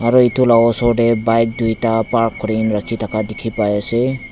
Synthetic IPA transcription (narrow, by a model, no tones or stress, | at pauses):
aɾɔitʰulaɡɔsɔɖebajk̚dujtapaɾkʰːɔɾinɾakʰitʰakadikʰipajɔse